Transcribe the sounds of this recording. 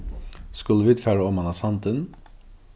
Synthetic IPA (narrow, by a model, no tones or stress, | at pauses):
skɵlːəʋid̪fæːɾəɔmɑnɑsɑnt̪ən